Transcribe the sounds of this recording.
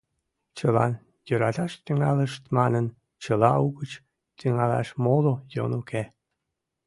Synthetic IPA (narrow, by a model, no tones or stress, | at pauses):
t͡ɕəlɑ̰n | jøɾɑt̪ɑʃt̪yŋɑləʃt̪mɑnən | t͡ɕəlɑuɣət͡ɕ | t̪yŋɑlɑ̰ʃmolojo̰nuke